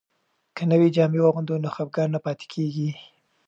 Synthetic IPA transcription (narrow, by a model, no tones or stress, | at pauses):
kənəwid͡ʒɑmewaɣʊnd̪onoxap̚ɡɑɾnapɑt̪e̥kʰeɡi